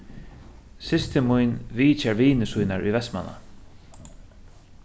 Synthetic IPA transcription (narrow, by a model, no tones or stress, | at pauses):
sɪst̪ɪmujnviːt͡ɕɛɾviːnɪsujnaɹṵjvɛst̪ma̰na̰